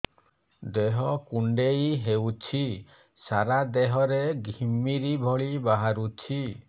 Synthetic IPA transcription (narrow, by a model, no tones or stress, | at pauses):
d̪eɦɔkuɳɖejɦewt͡ʃʰi | saɾad̪eɦɔɾeɡʱimiɾibʱɔɭibaɦaɾut͡ʃʰi